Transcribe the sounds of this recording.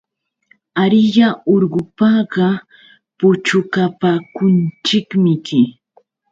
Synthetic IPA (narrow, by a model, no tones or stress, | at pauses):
aɾɪjaoɾɢʊpɑɢɑ | pʊt͡ʃʊkapaːkʊnt͡ʃɪkmɪkɪ